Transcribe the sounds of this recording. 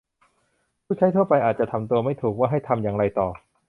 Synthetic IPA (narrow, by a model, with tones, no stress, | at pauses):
pʰuː˥˩t͡ɕʰa˦˥jt̪ʰu˥˩ɐpa˧jʔaː˨˩t̪̚t͡ɕa˨˩t̪ʰa˧mt̪u˧ɐma˥˩jt̪ʰuː˨˩k̚waː˥˩ɦa˥˩jt̪ʰa˧mjaː˧ŋɾa˧jt̪ɔː˨˩